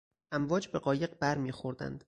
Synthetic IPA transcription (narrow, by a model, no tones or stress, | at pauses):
ʔæmvɒːd͡ʒbe̞ɢɒːje̞ɢbæɾmiːxo̞ɾd̪æ̰nd̪̥